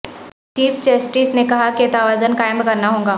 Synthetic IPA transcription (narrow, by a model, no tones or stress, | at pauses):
t͡ʃiːft͡ʃeːsʈiːsnekɐɦaket̪aʋaːzənkaːɪ̃mbkɐɾnaɦõːŋɡaː